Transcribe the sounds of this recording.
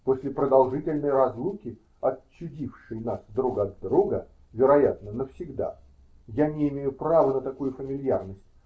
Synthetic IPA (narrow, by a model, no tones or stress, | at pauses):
posʲlʲɪpɾəd̪ɐlˠʐɨtʲɪlʲnəjɾɐzlˠukʲɪ | ɐt͡ɕːʊdʲifʂɨjnasvd̪ɾuɡɐd̪ːɾuɡə | vʲɪɾɐjat̪nənəfsʲɪɡd̪a̰ | janʲɪɪmʲejʊpɾavənət̪ɐkujʊfəmʲɪlʲjarnəsʲtʲ